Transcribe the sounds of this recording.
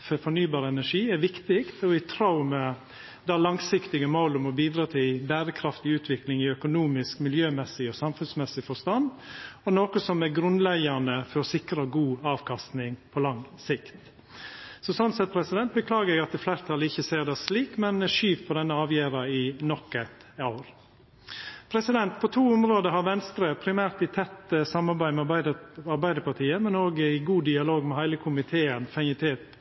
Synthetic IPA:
fɔfɔnyːbɑːɾəɛnæʂiːɛɾʋɪkt̪ɪkt̪ɔɪt̪ʰɾɑʊmɛ | d̪ɑlɑŋsɪkt̪ɪɡəmɔlɔmɔbiːd̪ɾɑːt̪ʰɪlbæːɾəkʰɾɑft̪ɪʉːt̪ʰʋɪklɪŋɪœkʊnuːmɪskmɪljøːmɛsːɪɔsɑmfʉnsmɛsɪfɔʂt̪ɑnd̪ɔnoːkəsɔmæɾɡɾʉnlæɡɑnəfɔɾɔsɪkɾɑɡuːɑːʋkʰɑst̪nɪŋpʰɔlɑŋsɪkt̪ | sɔsɔnsɛt̪̚pʰɾɛsɪd̪ɛnt̪̚bəkʰlɑːɡəɾɛɡɑt̪ɪflæɪɾt̪ʰɑləɪçːəseːɾd̪æsliːkmɛnʂyːʋpʰɔd̪ɛnːəɑːʋjæːɾɑɪnɔkːɛt̪ɑʊɾ | pʰɾɛsɪd̪ɛnt̪pʰɔt̪ʰuːʊmɾoːd̪əɦɑɾʋɛnst̪ɾəpʰɾɪmæːɾt̪ɪt̪ʰɛt̪ːəsɑmːɑɾbæɪmɛɑɾbæɪd̪əpɑt̪ʰiːəmɛnoːɡɪɡuːd̪ɪɑloːɡmɛhæɪləkʰʊmɪt̪ʰeːənfæŋɪt̪ʰeːt̪

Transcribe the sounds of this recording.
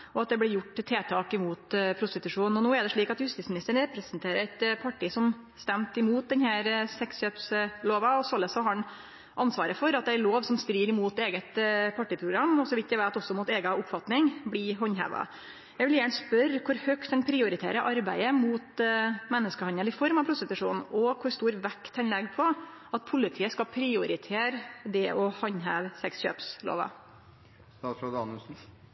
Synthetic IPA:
ʔɔɑt̪̚d̪ɛblɪɾjʊʈːt̪ʰːeːt̪ʰɑːkɪmuːt̪pʰɾʊst̪ɪt̪ʉʂuːn̩ɔnuːɛɖ̪ɛʂɭiːkɑt̪hʉst̪iːtsmɪnɪst̪əɳ̩ɾɛpɾəsənt̪ʰeːɾəɾɛt̪pʰɑʈːiːsɔm | st̪ɛmt̪ɪmuːt̪̚d̪ɛnhæːɾsɛksʃøːpsloːʋɑɔsɔlːəsɔɦɑɳ | ʔɑnsʋɑːɾəfɔɾɑt̪̚d̪ɛæɾloːʋsɔmst̪ɾiːɾɪmuːt̪eːɡət̪pʰɑʈːiːpʰɾʊɡɾɑmːɔsɔʋɪt̪̚d̪ɛʋæɪt̪ɔsːɔmuːt̪eːɡɑʊpfɑt̪nɪŋblɪɦɔɲːɦæ̰ːʋɑ̰ | jæɡʋɪljæːɳəspœɾkʰʊɾhœkt̪d̪ɛnpʰɾɪʊɾɪt̪ʰḛːɾəʔɑɾbæɪəmuːt̪mɛnːəskəhɑnəlɪfɔɾmɑʋpʰɾʊst̪ɪt̪ʉʂuːnɔkʰʊɾst̪uːɾʋɛkt̪hɛnlɛɡpʰɔ | ʔɑt̪̚pʰʊlɪt̪ʰiːəskɑpʰɾɪʊɾɪt̪ʰeːɾd̪ɛʔɔhɑɲɦæːʋsɛksɕø̰ːpslo̰ːʋɑ̰ | t̪ɑsloːd̪ɑnʉsn̩

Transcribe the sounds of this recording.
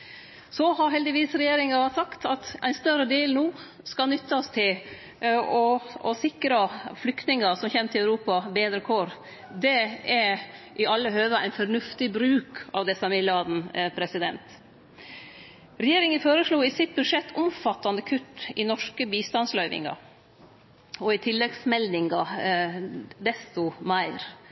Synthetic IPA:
sɔhɑɾɦɛld̪ɪʋiːsɾɛjeːɾɪŋɑʋɑt̪sɑkt̪ʰɑt̪æɪnst̪œɾəd̪eːlnuː | skɑnʏt̪ːɑst̪ʰɪl | ɔɔsɪkɾəflʏkt̪nɪŋəsɔmçɛmt̪ʰɪlæʉɾuːpɑbeːd̪ɾəkʰoːɾ | d̪ɛɛʔɪɑlːəɦøːʋəæ̰ɪnfɔɾnʉft̪ɪbɾʉːkɑʋd̪ɛsɑmɪlɑːd̪n̩pʰɾɛsɪd̪ɛnt̪ | ɾɛjeːɾɪŋənfoːɾəʂɭuːɪsɪt̪̚bʉʂɛt̪ːʰʊmfɑt̪ːɑnd̪əkʰʉt̪ːɪnɔʂkəbiːst̪ɑnslœʏʋɪ̰ŋɑ̰ | ɔɪt̪ʰɪlːɛɡsmɛld̪ɪŋɡɑ | d̪ɛst̪ʊmæɪɾ

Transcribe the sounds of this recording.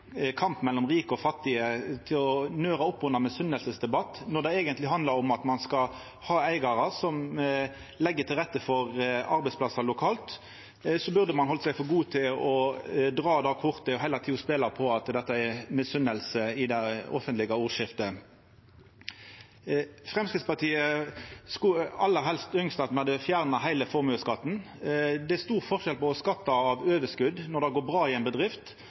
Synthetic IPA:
kʰɑmpmɛlːɔmʁiːkəɔfɑt̪ːɪət̪ʰɪlɔnøːʁɑɔpːʊnɑmɛsʏnəlsəsd̪ɛbɑt̪ːnɔd̪ɛeːɡənt̪lɪɦɑnd̪lɑɾɔmɑt̪mɑnskɑ | hɑːæɪɡɑʁəsɔm | lɛɡːət̪ʰɪlʁɛt̪ːəfɔʁɑʁbɛɪspʰlɑsɑlʊkʰɑːlt̪ | sɔbʉʁd̪əmɑnhɔlsæɪfɔɡuːt̪ʰɪlɔd̪ʁɑːd̪ɑːkʰʊʁt̪əɔɦæɪlɑt̪ʰiːʊspeːlɑpʰɔɑt̪d̪ɛt̪ːɑɛmɪsʏnəlsəɪd̪æɪɔ̰fənt̪lɪɡɑuːʁʃɪft̪ə | fʁɛmskʁɪd̪spɑʁt̪ʰiːəskʉɑlːəɦɛlst̪ʏŋst̪ɑt̪mɑd̪ɛfjæːʁnɑɦæɪləfɔʁmʉːskɑt̪ːn̩ | d̪ɛæɾst̪uːʁfɔʁʃɛlpɔːskɑt̪ːɑɑʋøːʋəskʉd̪nɔʁd̪ɑɡoːɾbʁɑːɪɛɪnbəd̪ʁɪft̪

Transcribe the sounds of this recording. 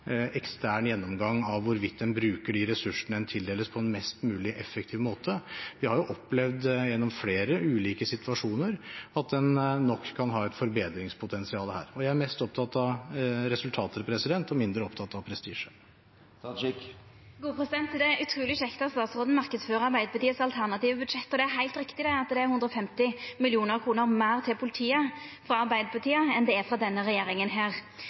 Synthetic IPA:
ɛkst̪ʰæːɳjɛnːɔmɡɑŋːɑʋːʊɾʋɪt̪̚d̪ɛnbɾʉːkəɖɪɾɛsʉʂəɳəɛnt̪ʰɪld̪eːləspʰɔɛnmɛst̪mʉːlɪʔɛfəkt̪ʰiːʋmoːt̪ʰəʋɪhɑɾjʊʔɔpːlɛʋd̪jɛnːɔmfleːɾəʉːliːkəsɪt̪ʋɑʂuːnəɾɑt̪̚d̪ɛnːɔkʰːɑnɦɑːɛt̪fɔɾbeːd̪ɾɪŋspʰʊt̪ʰɛnsɪɑːləhæ̰ːɾɔjæɪæɾmɛst̪ɔp̚t̪ʰɑt̪ɑʋɾɛsʉlt̪ʰɑːt̪ʰəlpʰɾɛsɪd̪ɛnt̪ɔmɪnd̪ɾəɔpt̪ʰɑt̪ːɑʋpʰɾɛst̪ḭːʂə̥ | ɡuːəpʰɾɛsɪd̪ɛnt̪d̪ɛʉt̪ʰɾuːlɪɕɛkt̪ɑst̪ɑːt̪sʁoːd̪n̩mɑʁkəd̪sføːʁəɑɾbæɪd̪əpʰɑt̪iːəsɑlt̪ʰæʁnɑt̪iːʋəbʉd̪ʂɛt̪ːɔd̪ɛæɾɦæɪlt̪ɾɪkt̪ɪd̪ɛɑt̪d̪ɛæɾhʉnd̪ɾɔfɛmt̪ɪmɪlɪuːnəɾkʰʁuːnəɾmæːʁt̪ʰɪlpʰʊlɪt̪ʰiːəfʁɑɑɾbæɪd̪əpʰɑt̪ʰiːəɛnd̪ɛɛfɾɑd̪ɛnːəɾɛjeːɾɪŋənɦeːʁ

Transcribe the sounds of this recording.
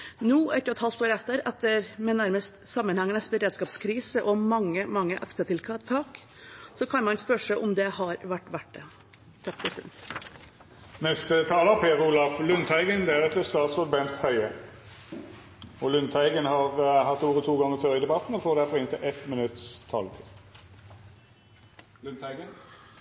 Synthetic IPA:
nuːʔɛt̪ːəɾɛt̪hɑlt̪oːɾɛt̪ːəɾɛt̪ːəɾmɛnæɾməst̪sɑmːənhɛŋːənɛsbəɾeːd̪skɑːpskʰɾiːsəʔɔmɑŋːəmɑŋːəʔɑksət̪ʰɪlt̪ʰɑːk | sɔkʰɑnmɑnɛspœʂəʔɔmd̪ɛhɑɾʋæʈːʋæʈ̚ɖɛ | t̪ʰːɑk̚ːpʰɾɛsɪd̪ɛnt̪ | nɛst̪ət̪ʰɑːləpʰeːʁuːlɑflʉnt̪ʰhæɪɡənd̪ɛæʁɛt̪ːəst̪ɑːt̪sʋʊɾbɛnt̪hœʏə | ɔlʉnt̪ʰæɪɡənhɑʁhɑt̪ːuːʁət̪ʰuːɡɑŋːət̪ʰøːʁəɪd̪ɛbɑt̪n̩ɔfoːʁd̪æʁfɔʁɪnt̪ʰɪlʔɛt̪mɪnʉt̪st̪ʰɑ̰ːlət̪ʰɪl | lʉnt̪ʰæɪɡən

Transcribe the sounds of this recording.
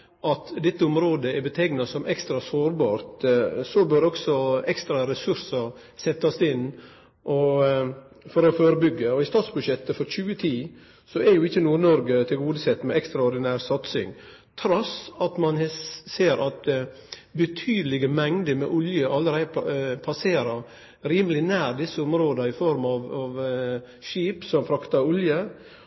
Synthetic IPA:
ʔɑt̪d̪ɛt̪ːəʊmɾoːd̪əɛɾbət̪ʰɛɡnɑsɔmʔɛkst̪ɾɑsoːɾbɑːɾt̪sɔbøɾɔksɔɛkst̪ɾɑɾɛsʉɾsɑ | sɛt̪ːɑsɪn | ʔɔ | fɔɾɔføːɾəbʏɡːəɔɪst̪ɑːt̪sbʉʃɛt̪ːəfɔɾçʉːət̪ʰiː | sɔɛɾjʊɪçːənuːɾnɔɾɡət̪ʰɪlɡuːd̪əsɛt̪ːmɛɛkst̪ɾɑɔɾɖ̪ɪnæːɾsɑt̪sɪ̰ŋ | t̪ʰɾɔsɑt̪mɑnseːɾʔɑt̪ | bət̪ʰyːd̪əlɪɡəmɛŋd̪əmɛ̰ʔʊljəʔɑlːəɾæɪd̪pʰɑseːɾəɾ | ɾiːməlɪnæːɾd̪ɪsːəʊmɾoːd̪ɑɪfɔɾmɑʋɑʋ | ʃiːpsɔmfɾɑkt̪ɑʊljə

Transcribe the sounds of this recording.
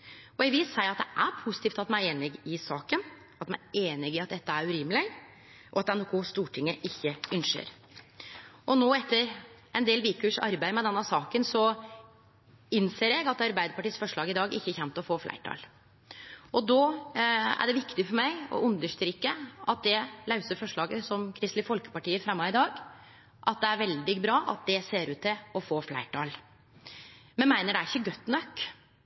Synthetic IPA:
ɔɛɡʋɪlsæɪɾɑt̪̚d̪ɛʔæpʰʊsɪ̥t̪iːft̪ɑt̪mææɾeːnɪɡɪsɑːkən | ɑt̪mæeːnɪɡɪɑt̪̚d̪ɛt̪ːəæɾʉɾɪmlɪ | ʔɔɑt̪̚d̪ɛnʊkʊst̪uːʈʰɪŋːəʔɪçːəœnʂə̰ɾ | ʔɔnoːɛt̪ːəɾʔɛnd̪eːlʋiːkʉːʂɑ̰ɾbæɪmɛd̪ɛnːəsɑːkənsɔ | ɪnseːɾɛɡɑt̪ɑɾbæɪd̪əɾpɑʈiːəsfɔʂɭɑːɡɪd̪ɑːɡɪ̰çːəçɛnt̪ɔfoːflæ̰ɪʈʰɑ̰ːl | ʔɔd̪ɔ | æ̰ɖɛʋɪkt̪ɪfɔɾmæɪɔ̰ʔʉnd̪əʂt̪ɾɪkːəʔɑt̪̚d̪ɛlɑʉsəɾfɔʂɭɑːɡəsɔmkʰɾɪst̪lɪfɔlkə̥pɑʈiːəfɾɛmːɑɪd̪ɑːɡ | ʔɑt̪̚d̪ɛæɾʋɛld̪ɪbɾɑːʔɑ̰t̪̚d̪ɛseːɾʉːt̪ːɪɔfoːflæ̰ɪʈʰɑːl | mɛnmæɪnəɖɛæɾɪçːəɡœt̪ːnœkː

